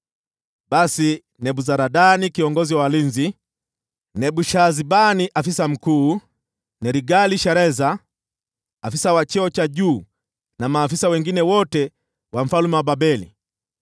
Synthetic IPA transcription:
basi | nɛbuzaɾadanikiɔŋɡɔziwaaliɲzi | nɛbuʃazibaniʔafisam̩kuː | nɛɾiɡaliʃaɾɛza | fisawat͡ʃɛɔt͡ʃaɟuː | namaːfisawɛŋɡinɛwɔtɛ | wam̩falumɛwababɛlḭ

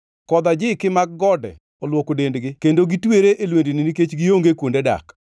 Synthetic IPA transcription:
kɔd̪ad͡ʒɪkɪmaɡ̚ɡɔdɛ̰ | ɔlwokodendɡɪkendoɡitweɾeʔelwendinɪniket͡ʃɡɪoŋɡekwondeda̰k

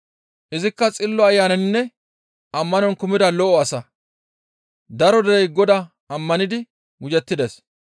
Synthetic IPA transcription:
ʔɪzɪkːɐt͡sʼɪlːɔɐjːaːnɐnnːɛ | ʔɐmːɐnɔnkʊmɪd̪ɐlɔʔɔɐsɐ | d̪ɐɾɔd̪ɛɾɛjɡɔd̪ɐ | ɐmːɐnɪd̪ɪ | wʊd͡ʒɛt̪ːɪd̪ɛs

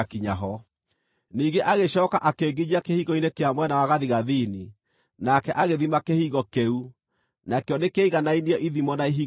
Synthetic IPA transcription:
kiɲaɦɔ | niːɡeʔaɣeɕɔːkaʔakeːɡid͡ʑiakehiɣɔinekeamwɛnawaɣaðiɣaðini | nakɛʔaɣeðimakehiːɣɔkeu | nakeɔnekeiɣanainiɔʔiðimɔnaiɦiː

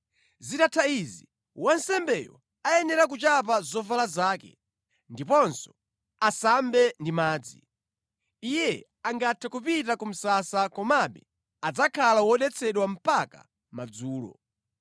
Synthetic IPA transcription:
zitatʰaizi | wansɛmbɛjɔ̰ | ajɛnɛɾak̬ut͡ʃap̬azɔvalazaːkɛ̰ | ndipɔnsɔ̥ | asambɛndimaːd͡zḭ | ijɛ | aŋɡatʰakupitakum̩sasakɔmaɓɛ | ad͡zakʰalawɔɗɛt͡sʰɛɗwam̩paka̰ | mad͡zuːlɔ̰

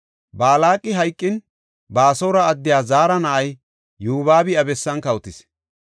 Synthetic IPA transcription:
baːlaːkʼːɪɦɐjkʼːɪn | baːsɔwɾɐːd̪ːɪjaːzaːɾɐnɐʔɐj | juːβaːbɪɐbɛsːɐnkɐwʊt̪ɪs

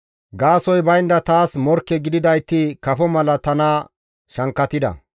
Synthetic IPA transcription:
ɡaːsɔjbɐjnd̪ɐt̪aːsmɔɾkːɛɡɪd̪ɪd̪ɐjt̪ːɪkɐfɔmɐlɐt̪ɐnaː | ʃɐŋkːɐt̪ɪd̪ɐ̰

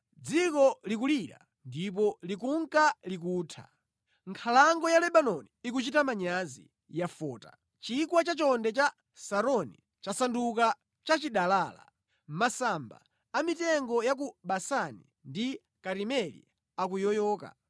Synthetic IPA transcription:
d͡zikɔlik̬uliɾa̰ | ndip̬ɔlikuŋkalik̬uːtʰa̰ | ŋkʰalaŋɡɔjalɛɓanɔniːk̬ut͡ʃitamaɲazḭ | jafɔːta̰ | t͡ʃikwat͡ʃat͡ʃɔndɛt͡ʃa | saɾɔni | t͡ʃasanduka | t͡ʃat͡ʃiɗalaːla̰ | masamba̰ː | mitɛŋɡɔjak̬uɓasanḭ | ndi | kaɾimɛlḭ | ak̬ujɔjɔːka̰

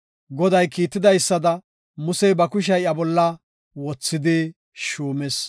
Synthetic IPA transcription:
ɡɔd̪ɐjkiːt̪ːɪd̪ɐjsːɐd̪ɐ | mʊsɛjbɐkʊʃ̬ɐjɐbɔlːɐ | wɔt͡sːɪd̪ɪ | ʃuːmɛs

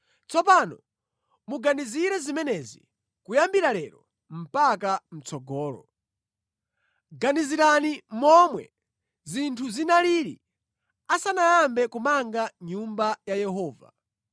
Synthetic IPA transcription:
t͡sɔpanɔ | muɡaniziɾɛzimɛnɛzḭ | kujambiɾalɛɾɔ | m̩pakam̩t͡sɔɡɔːlɔ̰ | ɡaniziɾanimɔmwɛ̰ | zintʰuzinaliɾḭ | asanajambɛkumaŋɡaɲumbajajɛɦɔːva̰

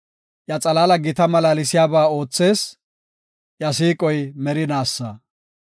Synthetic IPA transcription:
jɐt͡sʼɐlaːlɐɡɪt̪ɐmɐlaːlɪsɪjaːbaːo̞ːt͡sːe̞ːs | jɐsiːkʼɔjmɛɾɪnaːsːɐ

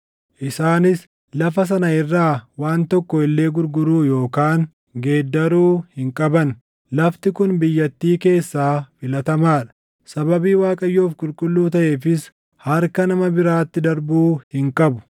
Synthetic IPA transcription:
ʔɪsaːnɪs | lɐfɐs̬ɐnɐɪrːaːwaːnt̪ɔkːɔɪlːe̞ːɡʊɾɡʊɾuːjo̞ːkaːŋ | ɡe̞ːd̪ːɐɾuːhɪŋkʼɐbɐn | lɐft̪ɪkʊnbɪjːɐt̪ːiːke̞ːsːaːfɪlɐt̪ɐmaːᶑɐ̥ | sɐbɐbiːwaːkʼɐjːoːfkʼʊlkʼʊlːuːt̪ɐʔe̞ːfɪs | hɐɾkɐnɐmɐbɪɾaːt̪ːɪd̪ɐɾbuːhɪŋkʼɐbʊ̥

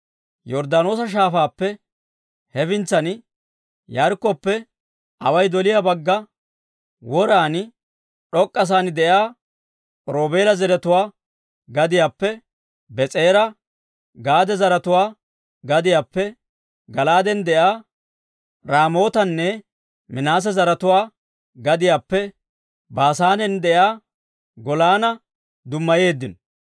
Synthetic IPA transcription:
jɔɾd̪anoːsɐʃ̬aːfaːpːɛ | hɛfɪnt͡sːɐn | jɐɾkːɔpːɛ | ʔɐwɐjd̪ɔlɪjabɐɡːɐ | wɔɾaːn | ɗɔkʼːɐs̬aːnɪd̪ɛjaː | ɾoːbe̞ːlɐzɛɾɛt̪ʊwaː | ɡɐd̪ɪjaːpːɛ | bɛt͡sʼe̞ːɾɐ | ɡaːd̪ɛzɐɾɐt̪ʊwaː | ɡɐd̪ɪjaːpːɛ | ɡɐlaːd̪ɛnd̪ɛjaː | ɾaːmo̞ːt̪ɐnːɛ | mɪnaːs̬ɛzɐɾɐt̪ʊwaː | ɡɐd̪ɪjaːpːɛ | baːsaːnɛnd̪ɛjaː | ɡɔlaːnɐ | d̪ʊmːɐjeːd̪ːɪnɔ

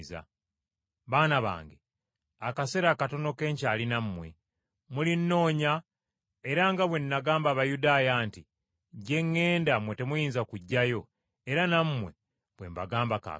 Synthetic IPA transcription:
za̰ | βaːnaβa̰ːŋɡe | akase̞ɾakato̞no̞ke̞ːɲcaːlinamːwe̞̰ | mulinːo̞ːɲa | e̞ɾaŋɡaβwe̞nːaɡaːmbaːβajudaːjaːnti | ɟe̞ŋːe̞ːndamwe̞te̞mujiːnzakuɟːajo̞ | e̞ɾanamːwe̞̰ | β̥wemβaɡaːmbaka̰

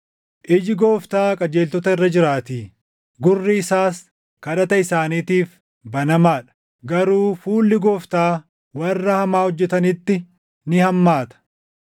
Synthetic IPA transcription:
ʔɪd͡ʒɪɡoːft̪aːkʼɐd͡ʒeːlt̪ɔt̪ɐɪrːɐd͡ʒɪɾaːt̪iː | ɡʊrːiɪsaːs | kɐᶑɐt̪ɐɪsaːniːt̪iːf | bɐnɐmaːᶑɐ̥ | ɡɐɾuːfuːlːɪɡoːft̪aː | wɐrːɐhɐmaːɔd͡ʒːɛt̪ɐnɪt̪ːɪ | nɪhɐmːaːt̪ɐ̥

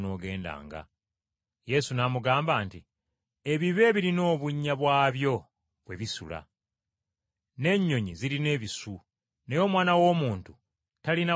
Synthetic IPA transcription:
no̞ːɡe̞ːnda̰ːŋɡa̰ | je̞sunamuɡaːmbaːnti | e̞βiβe̞ːβiɾino̞ːβuɲːaβwaːβjo̞ | βwe̞βisṵla̰ | ne̞ɲːo̞ɲiziline̞ːβisu | nejo̞ːmwaːnawo̞ːmuːntu | talina

